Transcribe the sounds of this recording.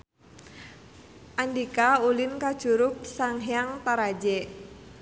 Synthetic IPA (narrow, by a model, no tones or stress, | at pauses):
ʔandikaulɪnkad̥ʒ̥ṳɾʊk̚saŋɦjaŋt̪aɾad͡ʒɛ